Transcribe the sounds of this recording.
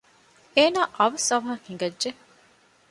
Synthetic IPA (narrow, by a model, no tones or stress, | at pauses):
eːnaːʔɐʋɐsɐʋɐɦɐhiŋɡɐdʒe